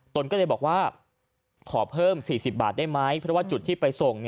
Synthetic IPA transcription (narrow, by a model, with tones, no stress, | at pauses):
t̪o˧nkɔː˥˩la˧jbɔː˨˩k̚waː˥˩ | kʰɔː˩˦pʰɤː˥˩msiː˨˩si˨˩p̚ba̰ː˨˩t̪̚daː˥˩jma˦˥jpʰɾɔ˦˥waː˥˩t͡ɕu˨˩t̪ʰːiː˥˩pa˧jso˨˩ŋn˧˩